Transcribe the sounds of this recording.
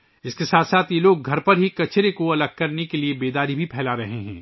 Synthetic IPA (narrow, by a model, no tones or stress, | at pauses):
ɪskesaːt̪ʰsaːt̪ʰjeloːɡ̚ɡʱɐɾpɐɾɦikɐt͡ʃɾekoɐləɡ̚kɐɾnekeliebeːd̪aːɾibʱipʰɛːlaɾɐɦeɦɛ̰̃ː